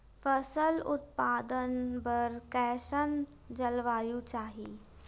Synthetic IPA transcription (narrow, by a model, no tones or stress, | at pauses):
fəsəlʊt̪paːd̪ənbəɾkɛːʃən | d͡ʒəlʋaːjũt͡ʃaːɦiː